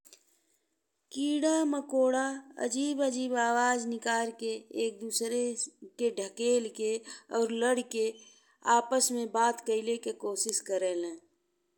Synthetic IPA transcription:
kiːɽaməkoːɽaə̰d͡ʒiːbəd͡ʒiːbaːwaːd͡ʒnɪkaːɾkeeːk̚d̪uːsɾekeɖʱəkeːlkeɔːɾləɽke | aːpəsmẽbaːt̪kəɪlekekoːsɪskəɾeːlẽː

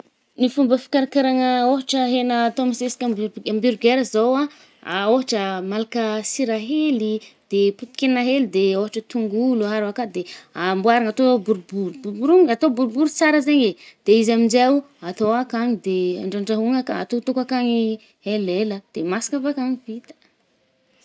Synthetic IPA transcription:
nifumbəfi̥kʲaɾakaɾaŋəoɦaʈ͡ʂəɦenəːt̪omisesi̥kʲambambyɾɡeɾəzowa | aoɦaʈ͡ʂəmalakəsiɾaɦelid̪̥eput̪i̥kʲenaɦelid̪eoɦaʈ͡ʂət̪uŋɡuluɦaɾakad̪eambwaɾaŋat̪obuɾubuɾububuɾuŋat̪obuɾubuɾut͡saɾəzeɲed̪̥eizamind͡ʒau | at̪oakaɲid̪ea̰ɳɖ͡ʐaɳɖ͡ʐaɦuŋaka̰t̪ot̪okakaɲi | eleləd̪̥emasi̥ŋafakaŋivit̪ə̥

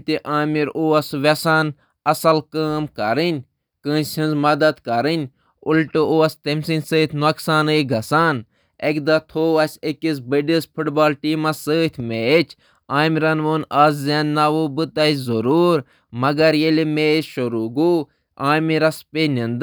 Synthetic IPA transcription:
t̪iʔaːmiɾuɐsʋɐsaːn | ɐsɐlkəːmkɐɾɨnʲ | kə̃ːnsʲinzmɐd̪ɐt̪kɐɾɨnʲ | ulʈɨoɐst̪emsinʲsəːt̪ʰnoksaːnɨɡʱɐsaːn | ekd̪at̪ʰoːɐsʲekʲis̬bəɖispʰuʈbaːlʈiːmasəːt̪ʲʰmeːt͡ʃʰ | aːmiɾɐnʋoːnaːzzaːnnːaʋubɨt̪ɐizɐɾuːɾ | mɐɡɐɾjelimeːsʃoɾuːɡuː | aːmiɾɐspʲenʲind̪

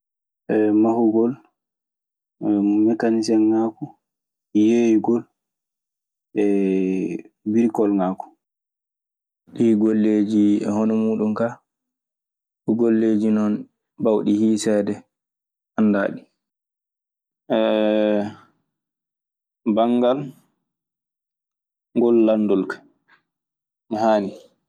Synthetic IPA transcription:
ɛmahuɡɔl | mmɛkanis̬ɛnŋaku | jejiɡɔl | ɛ | biɾkɔlŋaːku̥ | ɗiɡolːed͡ʒiɛhɔnɔmuːɗumka | ɗuɡolːed͡ʒinɔn | bawɗihiːsɛdɛ | ʔanda̰ːɗi | ʔɛ | baŋɡal | ŋɡɔlːandɔlkḁ | mɔhaːni

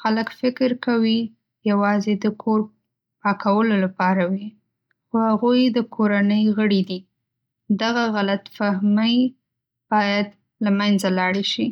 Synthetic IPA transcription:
xaləkfɪkɾkawi | jawɑzed̪əkʰoɾ | pɑkʰawəlolapɑɾawi | xohaɣujd̪əkʰoɾanəjɣəɽid̪i | d̪aɣaɣalat̪fahməj | b̥ɑjad̪ | lamanzalɑɽeʃi

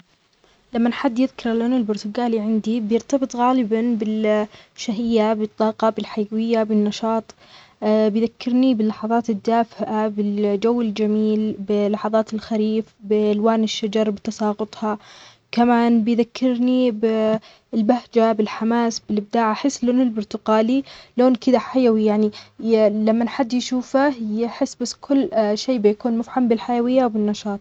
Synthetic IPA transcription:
lamːanħad̪ːjɪðkɪɾˤaloːnɪlbʊɾt̪ʊɡaːliʕɪnd̪ibjɪɾt̪ɑbɨt̪ˤɣaːlɪbanbɪlʃaɦɪjːabɨt̪ˤːɑːqɑbɪlħajwɪjːabɪnːɑʃɑːt̪ˤː | bɪjðakːɪɾnibɪlːɑħɑðˤɑːt̪ɪd̪ːaːfɪʔabɪld͡ʒawːɪld͡ʒamiːlbɪlːɑħɑðˤɑːt̪ɪlxaɾiːfbɪlwaːnɪʃːad͡ʒɑɾˤbɪt̪ɑsɑːɣʊt̪ˤhɑ | kamaːnbɪjðakːɪɾnibɪ | lbahd͡ʒabɪlħamaːsbɪlɪb̚d̪aːʕaaħɪsːloːnɪlbʊɾt̪ʊqaːliloːnkɪd̪aħajawijaʕni | lamːanħad̪ːjʃuːfajɪħɪsːbasːkʰʊlːʃeːbɪjakuːnmʊfħambɪlħajawɪjːawbɪnːɑʃɑːt̪ˤ

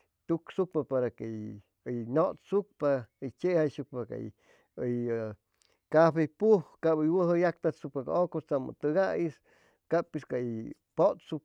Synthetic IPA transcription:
t̪uksuk̚papaɾakej | jnot̪suk̚pajt͡ʃehasuk̚paka̰j̰ | j | kapejpuhkabɨjwəɦɨjak̚t̪asuk̚paka̰okost͡samɨ̰t̪ɨɡajis | kapiskai | pot̪suk̚

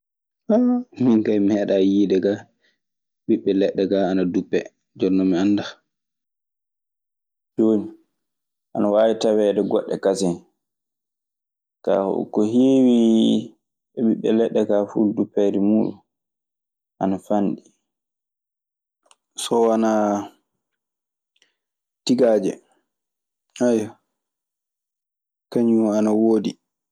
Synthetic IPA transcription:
ɓaminkajmɛɗajiːdɛɡa | ɓiɓːɛlɛɗːɛɡaanadupːɛ | d͡ʒɔnːɔmianda | d̥oːni | ʔanawaːwitawɛdɛɡɔɗːɛ̰kasɛn | ka̰hɔ̰ṵkːɔɦiːwi | ɓɛɓiɓɛlɛɗːɛkafudupɛɾimuːɗṵ | ʔanafanɗi | sɔwana | tiɡaːd͡ʒɛ̰ | aja | kaɲumanawoːdi

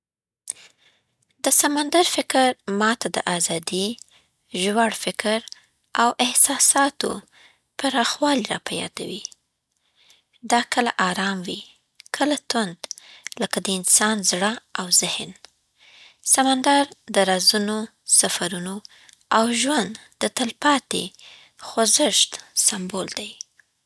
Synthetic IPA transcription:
d̪əsamand̪aɾfɪkəɾmɑt̪ʰad̪əʔazɑd̪i | ʒwaɽfɪkɾ | awʔɪhsɑsɑt̪o̰ | paɾɑxwɑliɾɑ̰pajɑ̰d̪a̰wi | d̪ɑkʰəla̰ʔɑɾɑmwi | kʰəlat̪ʊnd̪ləkad̪əɪnsɑnzɽəawzɪhn | samand̪aɾd̪əɾɑzuno | safaɾuno | awʒwand̪d̪ət̪əlpɑt̪ḛ | xozɪʃt̪sambold̪aj

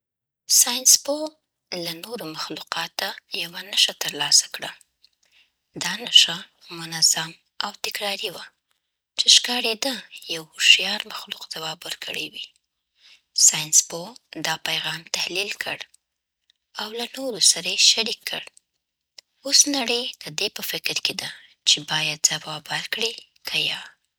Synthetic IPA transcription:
sɑjnspo | lanoɾomaxluqɑt̪ajawanaʃat̪əɾlɑsḁkɽa | d̪ɑnaʃa | mʊnazam | awt̪ɪkɾɑɾiwa | t͡ʃeʃkɑɽed̪əjawoʃijɑɾmaxluqd̪awɑbwəɾkəɽewi | sɑjɪnspod̪ɑpajɣɑmt̪ahlilkʰəɽ | awlanoɾosaɾajeʃaɾikʰːə̰ɽ | osnaɽəjd̪̥əd̪epəfɪkɾked̪a | t͡ʃebɑjad̪̚zawɑbalkɽikʰaja

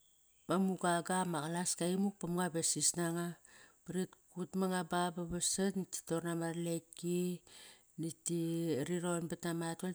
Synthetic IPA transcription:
mamuɡaɡamakalaskaimuk̚pamŋabesisnaŋapaɾitkutmaŋabababasanti̥toɾnamarleki | nitiɾiɾonbatamata

